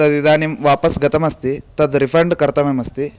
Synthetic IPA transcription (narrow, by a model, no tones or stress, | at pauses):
t̪ɐd̪id̪aːnimʋaːpɐsɡɐt̪ɐmɐst̪it̪ɐd̪ɾipʰɐɾɳɖkɐɾt̪ɐmemɐst̪i